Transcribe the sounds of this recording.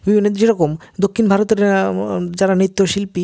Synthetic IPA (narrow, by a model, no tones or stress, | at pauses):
bʱibʱinːoɾeɾɔkomd̪okʰːinbʱaɾot̪eɾ | d͡ʑaɾanit̪ːoʃilpi